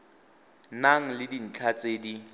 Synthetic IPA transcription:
naŋ̩lɪdin̩t͡ɬʰat͡sʼeːdi

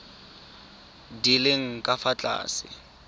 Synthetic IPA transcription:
dileŋ̩kʼafat͡ɬʼa̰ːsɪ̰

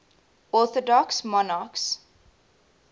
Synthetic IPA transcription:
ɔθɔdɔksmɔnɑks

